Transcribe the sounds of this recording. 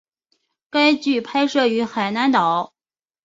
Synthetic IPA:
ka˥ɪt͡ɕy˥˩pʰa˥ɪʂɤ˥˩y˧˥xa˨˩ɪna˧˥nt̪ɑ˨˩˦ʊ

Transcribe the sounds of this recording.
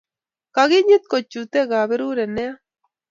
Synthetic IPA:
ka˨ɣɪ˦ɲɪ˦t̪̚ko˨t͡ʃu˨t̪ɛ˦ɣa˨βɛ˦ɾu˦ɾɛ˨nɛ˦a˦

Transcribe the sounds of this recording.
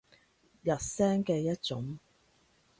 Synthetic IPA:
jɐ˨t̚sɛː˥ŋkɛː˧jɐ˥t̚t͡sʊ˨˥ŋ

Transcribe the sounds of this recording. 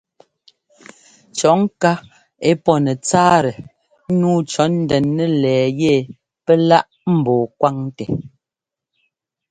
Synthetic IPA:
t͡ʃɔ˨˦ŋ˦ka˦ | e˦pɔ˦nɛ˨t͡saː˦ɾɛ˨˦ | nuː˦t͡ʃɔ˨˦n̩˦dɛ˨nːɛ˦lɛː˨je˦˨ | pɛ˦la˦ʔ | m̩˨bɔː˨kwa˦ŋtɛ˨

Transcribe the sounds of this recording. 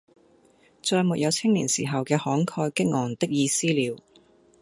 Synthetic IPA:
t͡ʃɔː˧jmu˨t̚jɐ˨˧wt͡sʰɪ˥ŋliː˨˩nsiː˨˩ɦɐ˨wkɛː˧hɔː˨˥ŋkʰɔː˧jkɪ˥k̚ŋɔː˨˩ŋt̪ɪ˥k̚jiː˧siː˥liː˨˧w

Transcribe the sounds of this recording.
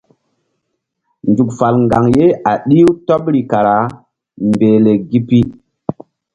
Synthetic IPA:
ndu˨kfa˨lŋɡa˨ŋje˦a˨ɗi˦wtɔ˦pɾi˨ka˨ɾa˨˦ | mbeː˨le˨ɡi˦pi˦

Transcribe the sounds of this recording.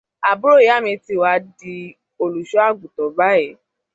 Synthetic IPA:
a˨bu˦ɾo˦˨˦a˦˨mĩ˧ti˧˨wa˧˦di˧ | o˧lu˨ʃɔ˦a˦˨ɡu˨tɔ˨˦ba˦ɛ˦˨˦

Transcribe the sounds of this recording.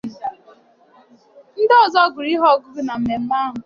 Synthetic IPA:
n̩˦dɔ˦˨zɔ˦˨ɡʊ˨ɾi˦ɦɔ˦˨ɡʊ˦bʊ˦na˨m̩˨me˨m̩˦ma˦ɦʊ˨

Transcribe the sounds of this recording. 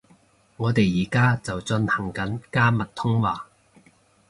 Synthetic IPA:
ŋɔː˨˧t̪e˨jːiː˨˩kaː˥t͡sɐ˨wt͡ʃɵ˧nhɐ˨˩ŋkɐ˨˥nkaː˥mɐ˨t̚t̪ʰʊ˥ŋwaː˨

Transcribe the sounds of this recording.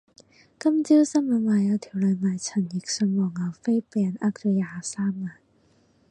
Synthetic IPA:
kɐ˥mt͡siː˥wsɐ˥mɐ˨˧maː˨˩jɐ˨˧wt̪ʰiː˨˩wlœː˨˧˩maː˨˩jt͡sʰɐ˨˩njɪ˨˩k̚sœ˧nwɔː˨˩ŋaː˨˩wfe˥jpɛː˧nʔa˥k̚t͡sɔ˨˧jaː˧˨˧saː˥mːaː˨˩n

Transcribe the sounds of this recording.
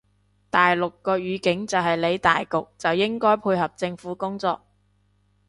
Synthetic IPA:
t̪aː˨jlʊ˨kːɔː˧ɥyː˨˧kɪ˨˥ŋt͡sɐ˨wɦɐ˨jle˨˧jt̪a̰ː˨jkʊ˨k̚t͡sɐ˨wjɪ˥ŋkɔː˥jpʰuː˧jɦɐ˨p̚t͡sɪ˧ŋfuː˨˥kʊ˥ŋt͡sɔ̰ː˧k̚

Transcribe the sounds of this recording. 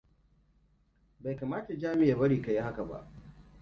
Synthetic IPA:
ba˨jkaː˨maː˦ta˨d͡ʒaː˦mɪ˦jaː˨bɐ˦ɽiː˨ka˨ji˦ha˦ka˨ba̰˦ʔ

